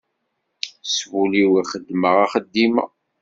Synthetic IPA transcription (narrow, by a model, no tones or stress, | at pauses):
svuliwiχəd̪ːməʁaχəd̪ːimə̰